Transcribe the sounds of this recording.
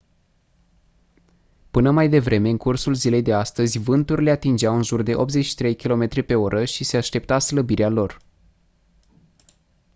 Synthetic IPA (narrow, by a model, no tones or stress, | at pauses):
pɨnəmajd̪e̞vɾe̞me̞ɨŋkursulzile̞jd̪e̞ast̪əzʲvɨnt̪urle̞at̪ind͡ʒeawɨnʒurd̪e̞ʔo̞p̚t̪ze̞t͡ʃʃi̥t̪ɾe̞jkʲilo̞me̞t̪ɾʲipe̞o̞ɾʔəʃise̞aʃt̪e̞p̚t̪asləbiɾealo̞r